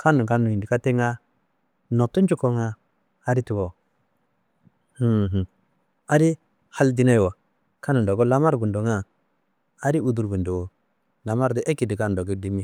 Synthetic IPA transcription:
kʰa˦nu˨ka˦nu˨i˨ndi˨ka˦te˦ŋa˦ | no˨tu˦nd͡ʒu˦ko˦ŋa˦ | a˦ɾi˦ti˨wo˨ | h̩˦˨ɦ̩˨ | a˨ɾi˦ | ha˦ldi˦na˦˨wa˨ | ka˦nu˨do˨ɡo˦la˦ma˦ɾɡu˨ndo˨ŋa˦ | a˦ɾi˦u˦du˨ɾbu˨ndu˨wo˨ | la˨ma˦ɾdi˦ʔe˦ki˨di˨ka˦n˨do˨ɡo˦di˦mi˦˨

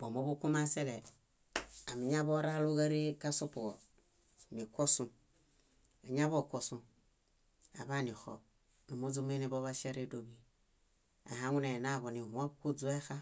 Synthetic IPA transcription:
b̥o˨mo˦bu˦ku˦ma˦se˦lɛ˨ | a˨mi˨ɲa˦bo˦ɾa˦lu˦ɣa˦ɾe˦ka˦so˦po˨ɣɔ˨ | mi˨ko˦sũ˨ | a˨ɲ˦a˦βo˦˨ko˨su˨ | a̰˨βa˦˨ni˨xɔ̰˨b̚ | no˨mo˦d͡zu˦m˦e˦ni˦bo˦βa˦ʃa˦ɾe˦do˨bi˨ | a̰˨ɦa˦ŋu˦ne˨na˦˨ɡo˨ni˨wo˦bku˦d͡zu˦e˦xa˦

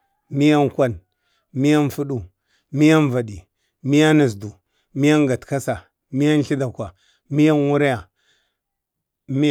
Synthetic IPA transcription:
mi˦ja˦nkʷa˦n | mi˦ja˦nfu˦ɗu˨ | mi˦ja˦n˦va˨di˨ | mi˦ja˦na˨zdu˨ | mi˦ja˦ŋɡa˨tka˦sa˨ | mi˦ja˦nɬi˦da˨kwa˨ | mi˦ja˦nwu˦ɾa˦ja˨ | m˦

